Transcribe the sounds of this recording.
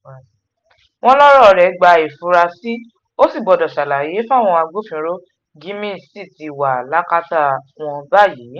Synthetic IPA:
w̃ɔ̃˦lɔ˦ɾɔ˦˨˧ɾɛ˨˦ɡ͡ba˧i˨fu˧ɾa˧si˦ | o˦si˦˨ɡ͡bɔ˨dɔ˨ʃa˨la˨je˨˦fa˦˨w̃ɔ̃˧a˧ɡ͡bo˦fĩ˧ɾo˦ | ɡĩ˦mĩ˦˨si˦˨ti˧˨wa˨la˦ka˦ta˦˨w̃ɔ̃˧ba˦˨ji˨˦

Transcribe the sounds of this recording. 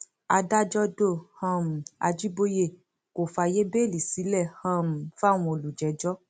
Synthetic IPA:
a˧da˦d͡ʒɔ˦do˦˨hã˧m̩˨a˧d͡ʒi˦bo˦je˦˨ | ko˨fa˧˨je˦be˦˨li˨si˨˦lɛ˦˨hã˧m̩˨fa˦˨w̃ũ˧˦o˨lu˨d͡ʒɛ˨˦d͡ʒɔ˦

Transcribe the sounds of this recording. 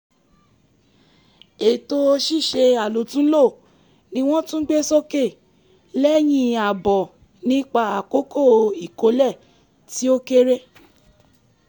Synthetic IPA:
e˨to˧ʃi˦˨ʃe˧a˨lo˨˦tũ˦lo˦˨ | nĩ˧w̃ɔ̃˦tũ˦ɡ͡be˦sɔ˦ke˦˨ | lɛ˦j̃ĩ˧a˨bɔ˨ | nĩ˦k͡pa˧a˨ko˦ko˦˨i˨ko˨˦lɛ˦˨ | ti˦o˦ke˦ɾe˦

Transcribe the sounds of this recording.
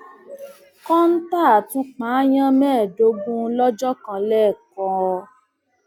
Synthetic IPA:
kɔ̃˦n̩˦ta˦˨tũ˦k͡pãː˨˦j̃ã˦mɛ̃ː˦˨do˧˦bũ˦lɔ˦d͡ʒɔ˦kã˧lɛ˦˨kɔ̃˨˦ɔ˧

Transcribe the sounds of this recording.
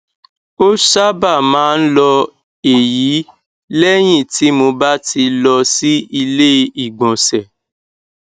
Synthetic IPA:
o˦ʃa˦ba˦˨mãː˦n̩˦lɔ˧ | e˨ji˨˦ | lɛ˦j̃ĩ˦˨ti˨˦mo˧ba˦ti˧lɔ˧si˦i˧le˦i˦˨ɡ͡bɔ̃˨sɛ˨

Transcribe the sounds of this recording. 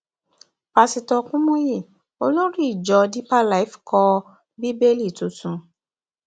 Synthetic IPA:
pa˧si˧tɔ˧kũ˦mɔ̃˦je˦˨ | o˧lo˦ɾi˦i˦˨d͡ʒɔ˨˦˧di˦pa˦la˨i˦fkɔ˧ | bi˦be˦li˦˨tu˨tũ˨˦

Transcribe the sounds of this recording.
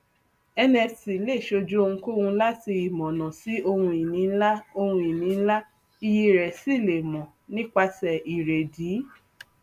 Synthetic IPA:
ɛ˧nɛ̃˧˨si˨le˦˨ʃo˧d͡ʒu˦o˧ŋũ˧ko˦hũ˧la˦ti˧i˨mɔ̃˨nɔ̃˨si˨˦o˧hũ˧i˨nĩ˨˦la˦o˧hũ˧i˨nĩ˨˦la˦ | i˧ji˧˨ɾɛ˨si˦˨le˨mɔ̃˨ | nĩ˦k͡pa˧tɛ˨i˨ɾe˨diː˨˦

